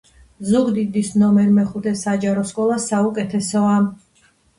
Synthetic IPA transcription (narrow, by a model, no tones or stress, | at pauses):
zuɡd̪id̪isnɔmɛɾmɛχut̪ʰɛsad͡ʒaɾɔskʼɔlˠasaukʼɛt̪ʰɛsɔa